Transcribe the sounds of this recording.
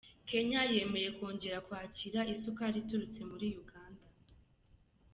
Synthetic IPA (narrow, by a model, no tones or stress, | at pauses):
ke̞ɲaje̞me̞je̞kwoːɲɟe̞ɾakwaːciɾaisukaɾituɾut͡se̞muɾijuɡaːnda